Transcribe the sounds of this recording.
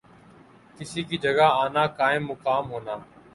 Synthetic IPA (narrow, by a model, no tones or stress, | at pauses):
kɪsiːkiːd͡ʒəɡaːaːnaːkaːɪ̃mːʊkaːmɦoːnaː